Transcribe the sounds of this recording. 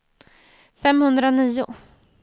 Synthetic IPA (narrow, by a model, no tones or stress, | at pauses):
fɛmhɵnd̪ɾaniːʊ̰